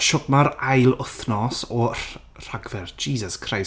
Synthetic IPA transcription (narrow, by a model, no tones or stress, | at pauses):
ʃɔɡmaɾajlˠʊθnɔsɔ | r̥aɡvɛrd͡ʒiːsəskʰraj